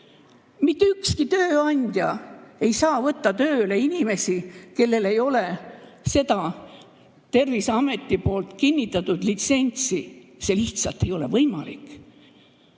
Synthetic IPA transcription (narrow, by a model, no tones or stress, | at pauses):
mit̪ːeykskit̪ø̞ːɑnʲd̪̥ʲjɑe̞jsɑːvɤt̪ːɑt̪ø̞ːle̞inʲime̞sike̞lːe̞le̞jo̞le̞se̞t̪ɑ | t̪e̞rviseɑme̞t̪ːˑipo̞ːlt̪kinʲːit̪ːˑɑt̪ːˑud̪̥lit̪se̞nʲt̪siseliht̪sɑt̪ːˑejo̞levɤjmɑlḭkːˑ